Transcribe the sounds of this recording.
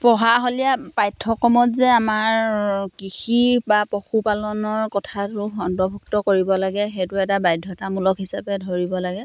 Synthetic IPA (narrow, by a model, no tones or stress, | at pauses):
pɔɦaɦoliapajtʰːɔkɔmɔtzɛamaɹkixibapɔxupalɔnɔɹkɔtʰatuɔndɔbʱuk̚tɔkoɹibɔlaɡɛxejtuɛtabajdʱːɔtamulɔkɦisapɛdʱɔɹibɔlaɡɛ